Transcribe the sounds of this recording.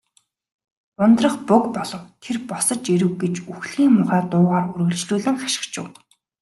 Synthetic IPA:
ʊnt̪rə̆χpʊkpɔɮɞ̆wt̪ʰerpɔsɞ̆t͡ɕeɾɘ̆wɡet͡ɕuxɮiːŋmʊχæːt̪ʊːʁaːruɾɣɵ̆ɮt͡ɕɮuːɮɘ̆ŋχḁʃɪ̥̆kt͡ɕɪ̆w

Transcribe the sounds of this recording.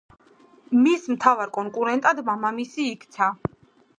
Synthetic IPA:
mismt̪ʰavaɾkʼɔŋkʼuɾɛnt̪ʼad̪mamamisiːkʰt̪sʰa

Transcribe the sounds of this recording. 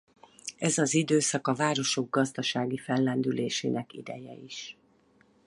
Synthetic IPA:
ɛzɒzid̪øːsɒkɒvaːɾo̞ʃo̞ɡ̚ɡɒzd̪ɒʃaːɡifɛlːɛnd̪yleːʃeːnɛkḭd̪ɛ̰jɛ̰iʃ

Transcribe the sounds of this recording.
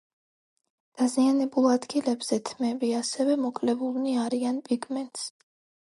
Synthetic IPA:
d̪̥azianɛbulˠad̪ɡilɛbz̥ɛt̪ʰmɛbiasɛvɛmɔkʼlɛbulniaɾianpʼiɡmɛnt̪ʼs

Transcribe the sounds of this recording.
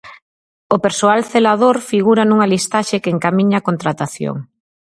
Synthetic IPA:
opeɾsoalθelað̞oɾfiɣuɾanuŋalist̪aʃekeːŋkamiɲaːkont̪ɾat̪aθjo̰ŋ

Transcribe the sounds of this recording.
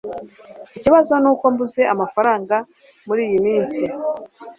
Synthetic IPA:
iciβazo̞nuːko̞mbuze̞amafaɾaːŋɡa | muɾiːjimiːnsi

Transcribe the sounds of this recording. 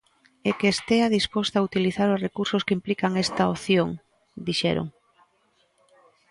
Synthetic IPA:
ekeːst̪eaðispost̪aut̪iliθaɾʊzrekuɾsʊskɪimplikaŋɛst̪aoθjoŋ | d̪iʃɛ̰ɾo̰ŋ

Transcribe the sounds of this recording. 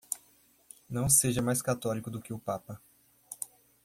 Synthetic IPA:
nɐ̃w̃seʒɐmajskat̪ɔlikʊd̪ʊkɪʊpapɐ

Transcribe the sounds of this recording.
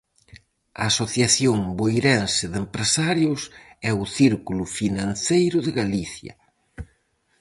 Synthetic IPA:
ɐ̰ːsoθjaθjoŋbojɾɛnsɪðempɾesaɾjʊsɛʊθiɾkulʊfinãn̟θejɾʊðɪɣaliθjɐ̰

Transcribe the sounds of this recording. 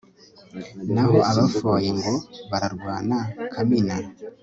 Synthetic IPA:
naɦo̞aβafojeŋɡo̞βaɾaɾɡwaːnakʰamina

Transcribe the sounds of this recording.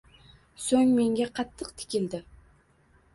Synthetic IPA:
sɵŋme̞ŋɡʲaqʰɑt̪ʰːɨqt̪ʰɪ̥kʲɪld̪ɪ

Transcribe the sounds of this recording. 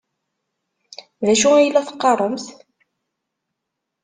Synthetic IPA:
ðæʃuæjəlːæθə̥qːɑrˤəmθ

